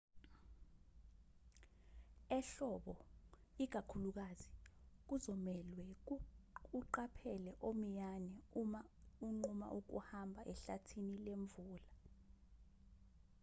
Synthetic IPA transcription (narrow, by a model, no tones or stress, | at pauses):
ɛɬɔɓɔik̬akʰuluk̬azik̬uzɔmɛlwɛ | uǃapʰɛlɛʔom̩janɛumauŋ͡ǃuma̰ʔuk̬ṵhambʱaʔɛɬatʰinileɱvuːla